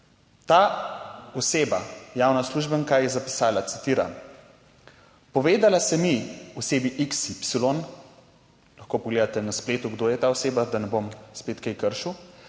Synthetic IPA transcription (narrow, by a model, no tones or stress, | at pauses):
t̪a | ɔseːbajawnasluʒbəŋkajɛzapi̥saːlat̪si̥t̪iːɾa̰m | pɔʋeːd̪alasɛmiɔseːbiʔiksipsilon | lɐxkoːpɔɡleːd̪at̪ɛnaspleːt̪uɡd̪oːjɛt̪aːɔseːbad̪anɛbomspeːt̪kɛjkəɾʃuw